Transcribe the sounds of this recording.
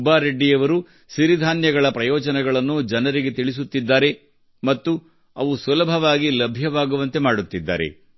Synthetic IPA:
baːɾeɖːijɐʋɐɾu | ʃiɾid̪ʱaːnjɐɡɐɭɐpɾɐjɔːd͡ʒɐnɛɡɐɭɐnːud͡ʒɐnɐɾiɡe̞t̪iɭis̬ut̪ːid̪ːaːɾe̞ | mɐt̪ːu | ɐʋusulɐbʱɐʋaːɡilɐbʱjɐʋaːɡuʋɐnt̪e̞maːɽut̪ːid̪ːa̰ːɾe̞̰

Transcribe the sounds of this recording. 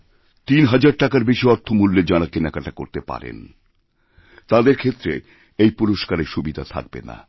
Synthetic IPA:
t̪inɦad͡ʑaɾʈakaɾbeʃiɔɾt̪ʰomulːed͡ʑanakenɛkaʈako̰ɾt̪epa̰ɾḛn | t̪ad̪eɾkʰet̪ːɾe | ejpuɾoʃkaɾeɾʃubid̪ʱat̪ʰa̰k̚bḛna̰

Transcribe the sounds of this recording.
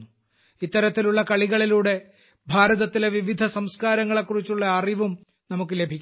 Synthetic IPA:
u | it̪ːɐɾɐt̪ːiluɭːɐkɐɭiɣɐɭiluːɽe̞ | bʱaːɾɐðɐt̪ːileʋiʋid̪ʱɐsɐmskaːɾɐŋːɐɭe̞kːurit͡ɕːuɭːɐːriʋum | nɐmukːɨle̞bʱikʲː

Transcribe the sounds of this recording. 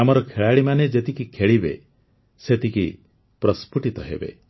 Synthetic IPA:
amɔɾɔkʰeɭaɭimaned͡ʒet̪ikikʰeɭibḛ | set̪iki | pɾɔspuʈit̪ɔɦḛbḛ

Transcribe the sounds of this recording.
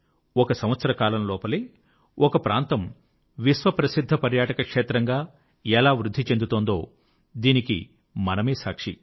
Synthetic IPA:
ɔkɐsɐmʋɐt̪sɐɾɐkaːlɐnlɔːpɐleː | ʔɔkɐpɾaːnt̪ɐm | ʋisʋɐpɾɐsid̪ʱːɐpɐɾjaːʈɐkɐkʂeːt̪ɾɐŋɡaː | ɛlaːʋɾud̪ʱːit͡ʃe̞nd̪ut̪oːnd̪o̞ː | d̪iːnikḭ | mɐnɐmeːsaːkʂḭ

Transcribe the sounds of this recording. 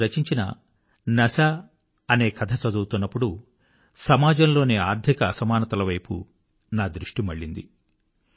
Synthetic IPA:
ɾɐt͡ʃiɲt͡ʃinɐ̰ | nɐsa | ɐne̞ːkɐd̪ʰɐt͡ʃɐd̪uːt̪unːɐpːuɽu | sɐmaːd͡ʒɐmlo̞ːneːaːɾd̪ʱikɐːsɐmaːnɐt̪ɐlɐʋɐjpṵ | naːd̪ɾiʂʈimɐɭːind̪ḭ

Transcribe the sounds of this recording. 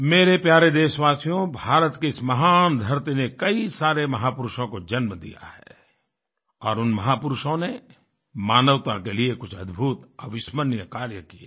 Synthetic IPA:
meːɾepjaːɾed̪eːʃʋaːsijõbʱaːɾət̪keɪsmɐɦaːnd̪ʱɐɾt̪inekɐisaːɾemɐɦaːpʊɾʊʃõkod͡ʒɐnməd̪ḭja̰hɛ̰ | ɔːɾʊnmɐɦaːpʊɾʊʃõne | maːnəʋt̪akeliekʊt͡ʃʰɐd̪bʱuːt̪ɐʋɪʃmənjəkaːɾjəkieː

